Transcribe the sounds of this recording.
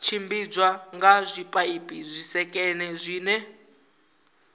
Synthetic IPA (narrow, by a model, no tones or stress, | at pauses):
t͡ʃʰimbid͡zwaŋɡazʷipʼaipʼizʷisɛkʼɛnɛzʷiːnɛ